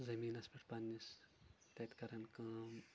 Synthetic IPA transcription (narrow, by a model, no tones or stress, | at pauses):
zɐmiːnɐsmiʈpɐnːis | t̪ɐt̪kɐɾɐnkaːm